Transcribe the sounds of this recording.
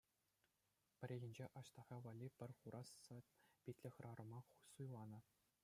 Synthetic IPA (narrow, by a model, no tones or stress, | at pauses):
pʲɘ̆ɾʲeɣʲɘ̆nʲd͡ʑeʔɑɕt̪ɑʁɑʋɑlʲːipʲɘ̆rʲχuɾʔɑsːɑpʲitʲlʲɘ̆xʲrʔɑɾɤ̆mɑχusujlˠɑnɤ̆